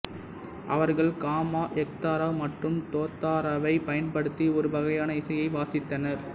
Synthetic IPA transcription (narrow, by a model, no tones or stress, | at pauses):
ʔɐ̰ʋɐɾɣɐɭkaːmaːʔɛk̚t̪aːɾamɐʈrɯmt̪oːt̪ːaːɾaʋɐɪpɐjɐnpɐɽɯt̪ːiɔɾɯbɐɣɐjaːnɐɪsɐjɐɪʋaːsɪt̪ːɐnɐɾ